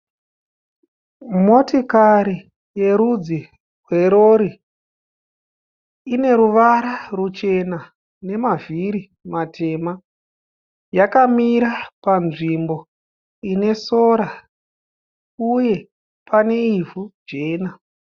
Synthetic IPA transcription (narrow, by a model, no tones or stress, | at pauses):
mo̞tikaɾi | je̞ɾud͡zi | rwe̞ɾo̞ɾi | ine̞ɾuʋaɾarut͡ʃe̞na | ne̞maviɾi | matʰe̞ma | jakamiɾapanʐimbo̞ | ine̞so̞ɾa | uje̞ | pʰane̞ivud͡ʒe̞ːna